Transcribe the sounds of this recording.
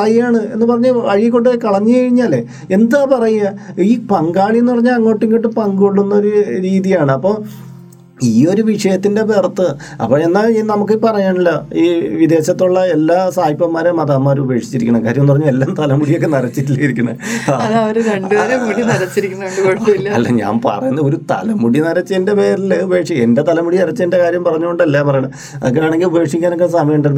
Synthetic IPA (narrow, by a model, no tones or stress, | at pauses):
rɐjaːɳɨe̞nːɨpɐrɐɲːaɐɻikːo̞ɳɖɨkɐɭɐɲːɨkɐɻiɲːaːle | e̞nd̪aːpɐrɐjuaiːpɐŋɡaːɭijenːɨpɐrɐɲːaːlɐŋːo̞ːʈːiŋːiʈːɨpɐŋɡoɭːunːɐo̞ɾuɾiːðijaːɳɨɐpːo̞ː | iːo̞ɾuʋiʂɐjɐt̪ːinde̞bert̪ːɨ | ɐ̰pːoːe̞nːaːnɐmukːɨpɐrɐjaːɳilːɐiːʋid̪e̞ːɕɐt̪ːuɭːɐe̞lːaːsaːjipːɐmːaːɾemɐðaːmːaːɾube̞ːkʂi̥t͡ɕːiɾikʲːuɳɐmkːaːɾjɐmnupɐrɐɲːuelːaːmt̪ɐlɐmuɽijo̞kːenɐɾɐt͡ɕːitilːɐjiɾikʲːuɳɐ̰ɐɐðɐʋɐɾeɾɐɳɖɨɾemuɽinɐɾɐt͡ɕːiɾikʲːunːɐoɳɖɨkoɻt̪ːɐilːɐɐlːɐ̰ɲa̰ːmpɐ̰rɐjunːɐoɾut̪ɐ̰lɐmuɽinɐɾɐt͡ɕːɨende̞pe̞ːɾilːeubɐe̞ːkʂie̞nde̞t̪ɐlɐmuɽiɐɾɐt͡ɕːende̞kaːɾjɐmpɐrɐɲːuɣo̞ɳɖɐlːapɐrɐjaɳɐm | ɐ̰ðeŋɡiaːɳe̞ŋɡilubɐje̞ːkʂikʲːaːnokːesɐmɐjɐuɳɖiɾunː